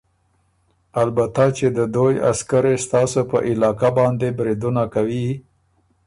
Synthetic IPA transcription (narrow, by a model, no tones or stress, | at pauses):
albat̪at͡ʃed̪əd̪oja̰skaɾest̪ɑsopə̰ʔɪlɑkabɑnd̪ebɾid̪unakawi